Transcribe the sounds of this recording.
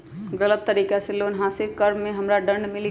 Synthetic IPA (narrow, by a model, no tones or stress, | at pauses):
ɡələt̪̚t̪əɾikaselonɦasiɾkəɾmːeɦəmɾaɖəɳɖmil